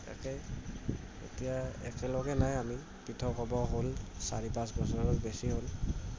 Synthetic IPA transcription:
ta̰kɛ | ḛtijaɛ̰kɛlɔɡɛnajami | pitʰɔkɔbɔɦolsa̰ɹipãsbɔsɔɹɔtbesiɦol

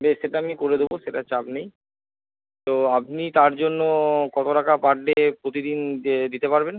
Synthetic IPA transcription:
beʃːeʈaamikoɾed̪eboʃeʈat͡ɕapnej | t̪oapnit̪aɾd͡ʑonːokɔt̪oʈakapaɖːepɾot̪id̪ind̪it̪epaɾben

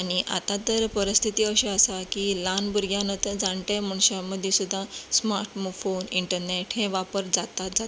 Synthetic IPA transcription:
aɽ̃iʔa̰t̪at̪əɾpəɾəst̪ʰit̪iəɕeəsakilanbuɾɡjãnət̪əd͡zãɳʈem̤əɳ̃ɕaməd̪ʱːjesud̪ʱːãsmaɾʈmufoniɳʈəɾneʈɦɛ̃ʋapəɾd͡zat̪ad͡zat̪

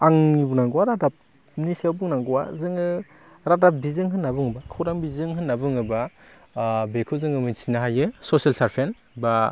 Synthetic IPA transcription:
aŋnibuŋnaŋɡuwaɾadap̚ | nisawbuŋnaŋɡuwa̰zɯŋɯ | ɾadap̚bizɯŋɦɯnːabɯŋɯbakʰɯwɾaŋbizɯŋɦɯnːabɯŋɯba | bekʰɯzɯŋɯmɯnsʰinaɦajɯsɔsialsaɾpʰen | ba

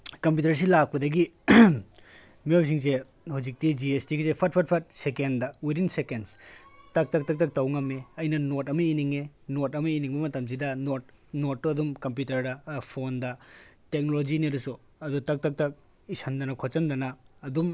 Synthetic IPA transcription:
kɐmpjutɐɾs̬ilak̚pɐdɐɡi | miojs̬iŋse | huzik̚tid͡ʒiestiɡizepʰɐt̚pʰɐt̚pʰɐɾt̚sekendɐwidinsekenstɐk̚tɐk̚tɐk̚tɐk̚tɐwŋɐmeɐjnɐnotɐmɐiniŋenotɐmɐiniŋbɐmɐtɐms̬idɐnot̚ | notːuɐdumkɐmp̬jutɐɾdɐpʰondɐ | tek̚nolod͡ʒiniɐɾusu | ɐdutɐk̚tɐk̚tɐk̚ | isɐndɐnɐkʰot͡ʃɐndɐnɐːdum

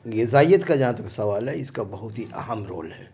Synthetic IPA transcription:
jezaːjət̪kad͡ʒɐɦãt̪ɐksɐʋaːlɦɛɪskabɐɦʊt̪ɦiʔɐ̰ɦəmɾo̰ːlɦɛː

